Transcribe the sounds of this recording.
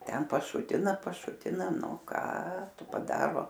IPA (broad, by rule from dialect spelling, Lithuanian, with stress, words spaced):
ˈtʲɛn pɐˈʃʊtʲɪnɐ pɐˈʃʊtʲɪnɐ ˈnʊ ˈkɑː ˈtʊ pɐˈdɑːroː